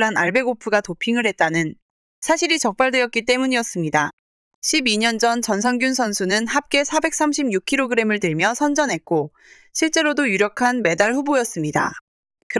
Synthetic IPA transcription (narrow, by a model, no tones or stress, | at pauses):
ɾana̰ɭbe̞ɡopʰuɡatopʰiŋɯɭhe̞t̚t͈anɯn | sʰaɕʰiɾit͡ɕʌk̚p͈aɭdwe̞jʌt̚k͈it̬͈e̞muɲiʌs͈ɯmɲida | ɕʰibiɲʌnd͡ʑʌnt͡ɕʌnsʰʌŋɡjunsʰʌnsʰunɯnhap̚k͈e̞sʰabe̞k̚s͈amɕʰimɲukʰiɾoɡɯɾe̞mɯɭtɯɭmjʌsʰʌnd͡ʑʌnɦe̞t̚k͈o | ɕʰiɭt͡ɕ͈e̞ɾodojuɾjʌkʰanme̞daɭɸubojʌs͈ɯmɲida̰ | kɯ